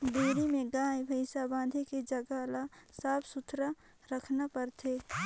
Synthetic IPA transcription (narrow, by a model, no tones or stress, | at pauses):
d̪eːɾimẽɡãːebʱəɪsabãːd̪ʱiked͡ʒəɡalasaːbsʊt̪ʰɾə | ɾəkʰnapəɾt̪ʰeː